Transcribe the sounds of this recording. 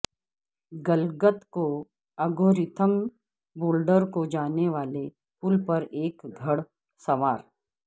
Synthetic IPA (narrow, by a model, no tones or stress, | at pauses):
ɡəlɡət̪ko | ɐɡoːɾɪt̪ʰəm | boːlɖəɾkod͡ʒaːneʋaːle | pʊlpɐɾeːkɡʱɐɽ | sɐʋaːɾ